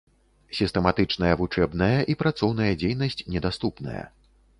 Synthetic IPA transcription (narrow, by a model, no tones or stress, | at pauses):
sʲist̪ɛmat̪ɨt͡ʂnɐjɐvut͡ʂɛbnɐjɐʔipɾat̪sɔwnɐjɐd͡zʲejnɐsʲt͡sʲnʲɛd̪ast̪upnɐ̰jɐ̰